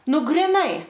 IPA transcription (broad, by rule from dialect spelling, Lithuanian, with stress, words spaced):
nʊ ɡrʲɪˈnɐɪ